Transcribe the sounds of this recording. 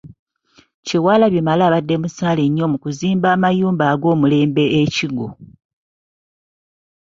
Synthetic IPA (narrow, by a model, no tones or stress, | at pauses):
ciwaːlaβimalaːβadːe̞musaːleɲːo̞mukuziːmbaːmajuːmbaːɡo̞ːmule̞ːmbe̞eciɡo̰